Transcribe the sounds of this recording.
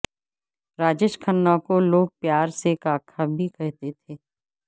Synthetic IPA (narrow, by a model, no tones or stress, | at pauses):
ɾaːd͡ʒeːʃkʰənːãkoloːɡ̚pjaːɾsekaːkʰabʱikɛɦt̪et̪ʰeː